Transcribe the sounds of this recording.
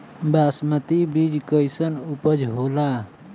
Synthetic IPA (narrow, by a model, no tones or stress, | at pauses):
basmət̪ibid͡ʒkəjsənupəd͡ʒɦoːla